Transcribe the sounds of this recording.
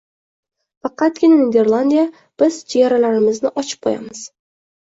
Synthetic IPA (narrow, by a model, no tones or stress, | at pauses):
fɑqɑt̪̚ɡʲɪnanid̪e̞ɾlˠand̪ija | b̥ɪzd͡ʒejaɾalaɾɪmɪznɪʔɒt͡ʃʰɪ̥p̚qʰɒja̰mɪz̥